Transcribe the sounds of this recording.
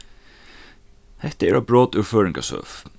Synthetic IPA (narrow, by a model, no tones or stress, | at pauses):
hɛht̪əɛɾabɹɔːt̪ʉɹføːɹɪŋka̰sœ̰ːf